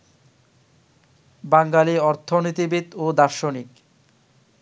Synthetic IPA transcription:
baŋɡaliɔɾt̪ʰonit̪ibit̪od̪aɾʃonik

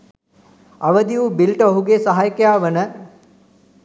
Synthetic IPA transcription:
aʋəd̪iubilʈəoɦuɡesəɦajkəjaːʋənə

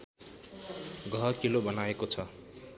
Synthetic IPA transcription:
ɡʱʌkilobʌnaekot͡sʰʌ

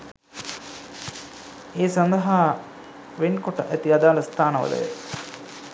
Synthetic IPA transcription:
eːsand̪ɐɦa | ʋenkoʈəʔæt̪iad̪aːlɐst̪ʰaːnəʋə̰lə̰jə̰

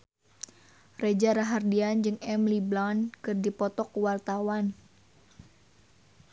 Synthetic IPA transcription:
red͡ʒaɾaɦardiand͡ʒɨŋɛmliblankɨrdipɔt̪ɔkwart̪awan

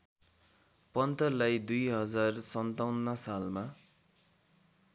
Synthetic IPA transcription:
pʌnt̪ʌlajd̪ujɦʌd͡zarsʌnt̪awnːʌsalma

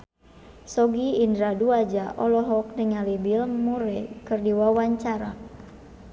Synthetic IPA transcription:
sɔɡiːndɾaduad͡ʒaʔɔlɔɦɔk̚nəŋalibilmuɾɛkɨrdiwawaɲt͡ʃaɾa

